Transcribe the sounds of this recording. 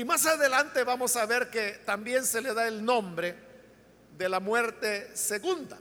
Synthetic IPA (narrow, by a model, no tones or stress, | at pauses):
imasaðe̞lant̪e̞βamo̞saβe̞ɾke̞t̪ambje̞nse̞le̞ðaelnõ̞mbɾe̞ | ðe̞lamwe̞ɾt̪e̞seɣund̪a